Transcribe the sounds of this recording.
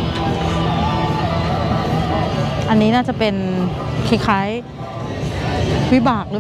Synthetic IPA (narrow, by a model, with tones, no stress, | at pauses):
ʔa˧nːiː˦˥naː˥˩t͡ɕa˨˩pe˧nkʰe˦˥kʰa˦˥j | wi˦˥baː˨˩k̚ɾɯː˦˥